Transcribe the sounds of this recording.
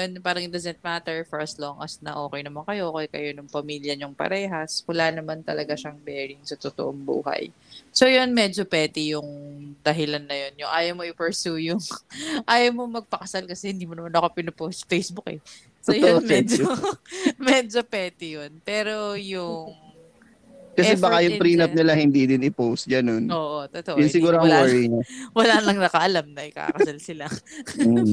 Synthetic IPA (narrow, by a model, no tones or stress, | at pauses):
jonpaːɾɐŋɪd̪ɐzɛnt̪̚maːt̪ɛɹfɛɹɐsloŋʔɐsnɐ̰ʔo̞ːkɛjnɐmankɐjoʔoːkɛjkɐ̰jo̞nʊŋpɐmiːljɐɲʊŋpɐ̰ɾɛːɦɐskʊlanɐmant̪ɐlɐɡaʃɐŋbɛːɹɪŋsɐt̪ʊt̪o̰ʔoŋbṵːɦɐ̰j | so̞jonmɛd͡ʒopɛːt̪ɪjʊŋd̪̥ɐɦɪlanːɐjo̞njʊŋʔaːjɐmoʔɪpɛɹsuːjʊŋʔaːjɐwmomɐɡ̚pɐkɐsalkɐsɛhɪnd̪iːmonɐmanʔɐkopɪnoposfejsbʊkɛ̰ | sojmɛd͡ʒ | mɛːd͡ʒopɛːt̪ɪjonpɛːɾo̞jʊŋ | kɐɛbakajʊpɾiːnɐp̚nɪlahɪnd̪id̪ɪnɪpowst̪̚ɡɐnonoːʔot̪ot̪oʔjʊnsɪɡuːɾoɐwɛɹɪɲɐwɐlaːlɐŋnɐkɐʔɐlamnɐʔɪka̰kɐsalsɪla